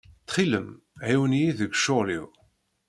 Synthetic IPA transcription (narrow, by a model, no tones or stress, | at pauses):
t̪χiləm | ʕiwniiðəɡʃoʁlḭw